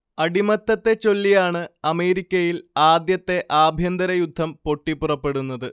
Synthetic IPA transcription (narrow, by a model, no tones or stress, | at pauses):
ɐɽimɐt̪ːɐt̪ːe̞t͡ɕo̞lːijaːɳɨɐme̞ːɾikʲːɐjilaːd̪jɐt̪ːe̞ʔaːbʱjɐnd̪ɐɾɐjud̪ʱːɐmpo̞ʈːipːurɐpːe̞ɽunːɐðɨ